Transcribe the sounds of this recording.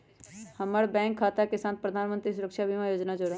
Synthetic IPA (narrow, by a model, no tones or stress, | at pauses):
həməɾbɛ̃ːŋkʰːaːt̪akesãːnt̪̚pɾəd̪ʱaːnmə̃nt̪ɾis̬ʊɾəkʃabʱimajoːd͡ʒnad͡ʒoɽa